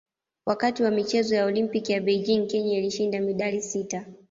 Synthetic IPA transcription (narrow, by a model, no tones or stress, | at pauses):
wʔakatiwamit͡ʃɛzɔjaɔlimpikijaɓɛjd͡ʒiŋkɛɲailiʃindamiɗalisita